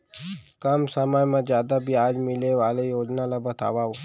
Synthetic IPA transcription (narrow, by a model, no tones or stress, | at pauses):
kɐmsəmajmẽzjaːd̪abʱiaːd͡ʒmɪleʋaːlejoːd͡ʒnalabɐt̪ʰa̰ːʋao